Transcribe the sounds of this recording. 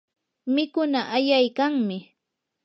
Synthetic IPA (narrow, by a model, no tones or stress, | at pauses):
mɪkʊnaʔajajkaŋmɪ